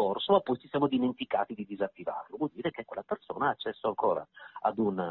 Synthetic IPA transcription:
orsoapːɔjt͡ʃi̥sjaːmod̪iment̪ika̰ːt̪id̪id̪izat̪ːiva̰ːɾlovwɔld̪iːɾekekːwelːaperso̰ːnaaːt͡ʃːɛsːoaŋkoːɾa̰a̰d̪un

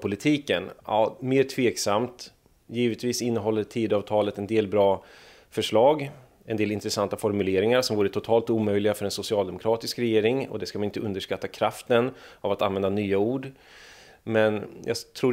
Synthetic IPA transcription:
pʰʊlɪt̪ʰiːkənɑːmeːɾt̪ʰveːksamt̪ | jiːvət̪viːsɪnːəɦɔlːəʈʰiːd̪ɑːvt̪ʰɑːlət̪ɛnd̪eːlbɾɑː | fœʂɭɑːɡ | ɛnd̪eːlɪnt̪ɾɛsant̪afɔɾmɵleːɾɪŋaɾsɔmvuːɾət̪ʰʊt̪ʰɑːlt̪uːmœjlɪɡafœɾɛnsʊsɪɑːld̪ɛmʊkʰɾɑːt̪ɪskɾɛjeːɾɪŋɔ̰d̪ɛskamanɪnt̪əɵnd̪əʂkat̪ːakʰɾaft̪ənavat̪anvɛnd̪anyːauːɖ | mɛnjʔɑ̰t̪ʰɾuː

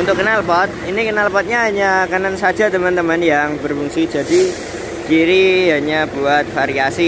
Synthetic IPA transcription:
unt̪ʊkːənalpɔt̪̚inikənalpɔt̪̚ɲaɦaɲakanansḁd͡ʒa̤t̪əmant̪əmanjaŋbərfuŋsi̥d͡ʒadi | d͡ʒ̥iɾiɦaɲabuat̪̚faɾiasi

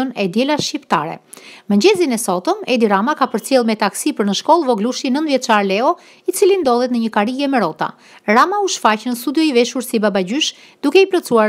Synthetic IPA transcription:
ɔnɛd̪jɛlaʃcipt̪a̰ɾɛ̰ | məɲd͡ʑɛzinɛsɔt̪ɔmɛd̪iɾamakapəɾt͡sjɛlˠmɛt̪aksipəɾnəʃkɔlˠvɔɡluʃinənt̪vjɛt̪t͡ʃaɾlɛɔ | it͡silind̪ɔðˠɛt̪nəɲəkaɾiɡɛmɛɾɔt̪a̰ | ɾamauʃfacnəst̪ud̪jɔivɛʃuɾsibabaɟyʃ | d̪ukɛiplɔt͡sua

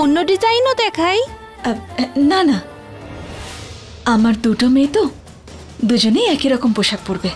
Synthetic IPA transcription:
onːoɖizajnod̪ɛkʰaj | nana | amaɾd̪uʈɔmejt̪o | d̪ud͡ʒonejɛkiɾɔkɔmpoʃak̚puɾbe

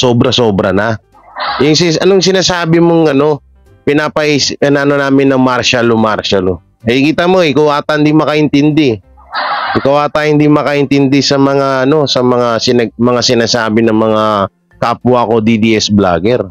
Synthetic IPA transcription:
so̞ːbɾɐso̞ːbɾɐna | jʊŋsɪʔɐnoŋsɪnaːsaːbɪmoŋɐno̞ | pɪnaːpɐʔisɐnaːnonaːmɪnːɐŋmaɾʃalomaɾʃɐlo | ɐkiːt̪amo̞ɪkɐwaːt̪ɐʔɪnd̪imɐkɐʔɪnt̪ɪnd̪ɪ | ʔɪkɐwaːt̪ahɪnd̪imɐkɐʔɪnt̪ɪnd̪ɪsɐmɐŋaʔɐno̞sɐmɐŋasɪnɐɡ̚mɐŋasɪnaːsaːbɪnɐŋmɐŋa | kaːpwaɐko̞d̪id̪iʔɛsbla̰ːɡɛɾ

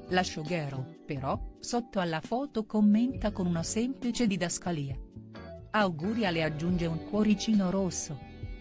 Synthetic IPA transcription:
laʃːoɡɛːɾopeɾɔsot̪ːoalːafɔːt̪okomːent̪akonunasɛmplit͡ʃed̪id̪askaliːa | awɡuːɾjalead͡ʒːund͡ʒeuŋkwɔɾit͡ʃiːnoɾosːo

